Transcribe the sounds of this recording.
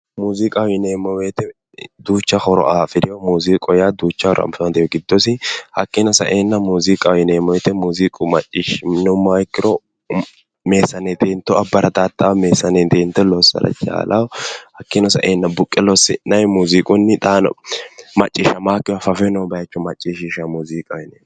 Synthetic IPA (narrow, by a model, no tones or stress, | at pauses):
muːzikʼɐwɪneːmːɔweːt̪ɛ | d̪uːt͡ʃːɐhɔɾɔ̰ʔaːfɪd̪ɪjɔmuːziːkʼɔjad̪uːt͡ʃːɐhɔɾɔ̰ɐ̰mfɐnd̪ɛjɔɡɪd̪ːɔsɪhɐkːɪnɔsɐ̰ʔeːnːɐmuːzikʼɐwɪneːmɔwɛt̪ɛmuːzikʼʊmɐt͡ʃʼːɪʃnɛmːaːjɪkːɪɾɔ | meːsːɐned̪eːnt̪ːɔɐbːɐɾɐt̪ʼaːt̪ːawmeːsːɐned̪eːnt̪ːɔlɔsːɐ̰ɾɐ̰t͡ʃʼa̰ːlɐwɔhɐkːɪnɔsɐ̰ʔeːnːɐbʊkʼːɛlɔsɪnɐjmuːziːkʼʊnːɪt̪ʼaːn̰mɐt͡ʃʼːɪːʃɐmaːkːɪjfɐfɛnɔwbɐjt͡ʃːɔmɐt͡ʃʼːiːʃiʃɐmuːziːkʼɐwɪneː